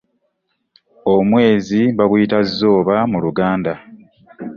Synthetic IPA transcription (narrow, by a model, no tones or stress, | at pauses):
omwe̞ːzibaɡujitazːo̞ːβamuluɡaːnda